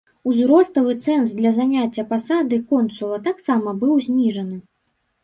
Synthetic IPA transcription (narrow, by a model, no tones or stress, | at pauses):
uzɾɔst̪ɐvɨt̪sɛnsd̪lʲɐzanʲat͡sʲːɐpasad̪ɨkɔnt̪sulˠɐt̪aksamɐbɨwzʲnʲiʐɐnɨ